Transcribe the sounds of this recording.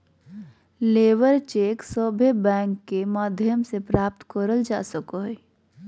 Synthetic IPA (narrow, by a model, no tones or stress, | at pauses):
leːʋəɾt͡ʃeːksoːbʱjəbɛ̃ːŋkːemaːd̪ʱjəmsepɾaːp̚t̪kəɾəld͡ʒa̰ːsəkoɦe